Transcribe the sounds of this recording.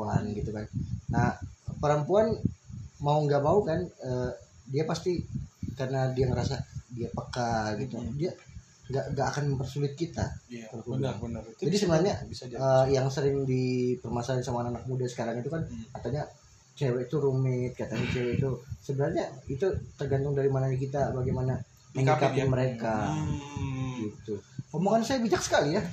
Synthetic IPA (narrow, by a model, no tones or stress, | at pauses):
anɡit̪ukannahpəɾəmpuanmauŋɡaʔmaukanədiapast̪ikarənadiaŋəɾasadiapəkaɡit̪udia | ŋɡaʔŋɡaʔːkanməmpərsulɪt̪̚kit̪a̰t̪ərkudd͡ʒadisəbənarɲaəjaŋsəɾɪŋdipərmasalansamaːnanak̚mudasə̥kaɾaŋit̪ukankat̪aɲa | t͡ʃewɛit̪uɾumɪt̪̚kat̪aɲat͡ʃewɛit̪usəbənarɲait̪ut̪ərɡant̪ʊŋdaɾimanaɲak̬it̪abaɡajmana | məŋikapɪnməɾeka | ɡit̪uŋomoŋansajabid͡ʒak̚sə̥kalija